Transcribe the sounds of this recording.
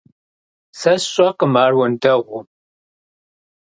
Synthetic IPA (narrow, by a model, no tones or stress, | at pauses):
sɐsɕʼɐqəmaːrwɐndɐʁʷʊ